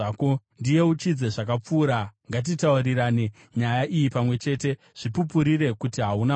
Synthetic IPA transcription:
ko | ndije̞ut͡ʃid͡ze̞ʐakap͡fuːɾaŋɡat̬itauriɾaːne | ɲajaʔijipamwe̞t͡ʃe̞ːte̞ | ʐ̥ipupuɾire̞kutiɦauna

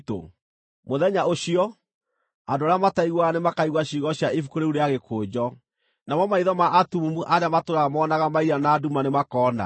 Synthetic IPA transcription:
to̰ | moðɛɲaoɕiɔ | andoaɾamataiɣwanemakaiɣwaɕiɣɔɕjaifukoɾeuɾeaɣekʰoːd͡ʑɔ | namɔmaiðɔmaʔatumumuʔaɾeamatoɾamɔːnaɣamaiɾanaːdumanemakɔːna̰

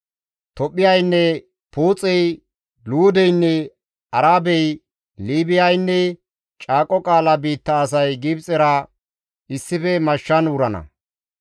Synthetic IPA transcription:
t̪ɔpʼːɪjɐjnːɛ | puːt͡sʼɛj | luːd̪ɛjnːɛ | ɐɾaːbɛj | liːbɪjɐjnːɛ | t͡ʃʼaːkʼːɔkʼaːlɐbiːt̪ːɐːs̬ɐjɡibt͡sʼɛɾɐ | ɪsːɪfɛmɐʃːɐnʊɾɐnɐ̰

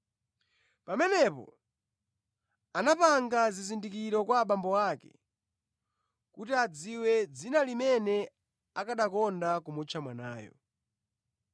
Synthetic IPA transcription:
pamɛnɛpɔ̰ | anapaŋɡazizindikiɾɔkwaːɓambɔwaːkɛ̰ | kutiad͡ziwɛd͡zinalimɛnɛ | akaɗakɔndakumut͡ʃʰamana̰ːjɔ̰

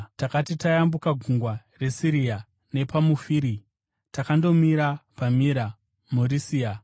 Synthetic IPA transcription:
takatitajambukaɡʱuŋɡwa | re̞siɾia | ne̞pamufiɾi | takando̞miɾapamiɾa | murisia

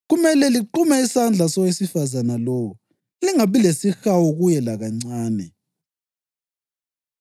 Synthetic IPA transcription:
ɣumɛlɛliǃumɛisand͡ɮʱasɔwesifazanalowu | liŋaβilesixawɔɣujɛlaɣaŋ͡ǀaːnɛ

